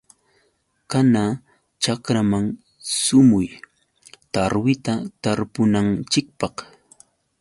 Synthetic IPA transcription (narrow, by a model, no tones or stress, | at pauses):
kana | t͡ʃakɾamaŋ | sʊmʊj | t̪aɾwɪt̪at̪aɾpʊnant͡ʃɪk̚pɑq